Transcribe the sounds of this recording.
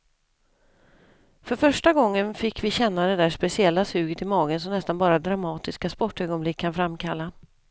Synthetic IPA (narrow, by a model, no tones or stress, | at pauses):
fœɾfœʂʈaɡɔŋːənfɪkʰːvɪɕɛnːad̪ɛd̪æːʂpɛsɪɛlːasʉ̟ːɡət̪ɪmɑːɡəns̬ɔmnɛst̪anbɑːɾad̪ɾamɑːt̪ɪskaspɔʈːøːɡɔnblɪkʰːanfɾamkʰalːa